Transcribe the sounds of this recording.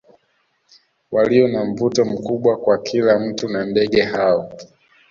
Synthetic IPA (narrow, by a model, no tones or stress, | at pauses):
waliɔnam̩vutɔm̩kuɓwakwakʰilam̩tunandɛɠɛhaɔ